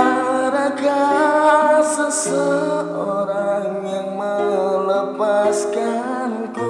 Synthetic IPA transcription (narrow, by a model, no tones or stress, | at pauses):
aɾaɡa | səsətoɾaŋjaŋmələpaskanku